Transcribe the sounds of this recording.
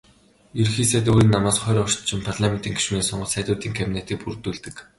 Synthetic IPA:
irxiːseːt̪oːɾiːnːamaːsχœːɾʲːɔʃt̪t͡ɕɪ̆mpʰarɮamen̥t̪iːŋɡi̥ʃuneːsɔɴɢɞ̆ɮsæːt̪ʲʊːt̪iːŋkʰapinet̪iːk̚purt̪uːɮt̪ɘ̆k

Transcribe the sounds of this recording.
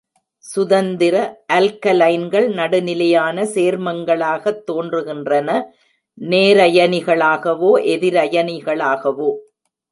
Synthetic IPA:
sʊðɐnd̪ɪɾɐʔɐlkɐlɐɪnɡɐɭnɐɽɯnɪlɐjaːnɐseːɾmɐŋɡɐɭaːɣɐt̪ːoːndrɯɣɪndrɐnɐ | neːɾɐjɐnɪɣɐɭaːɣɐʋoːʔɛðɪɾɐjɐnɪɣɐɭaːɣɐʋoː

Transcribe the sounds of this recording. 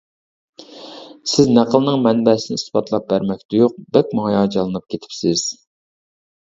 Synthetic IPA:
sɪznæqʰəlˠnɨŋmɛnbɛsɪnɪisbɑt̪ʰlˠɑp̚bæɾmɛk̚ʲd̪ujoq̚bɛk̚ʲmɑŋɑjɑd͡ʒɑlˠɨnɨp̚kʲʰet̪ʰɪ̥psɪz̥

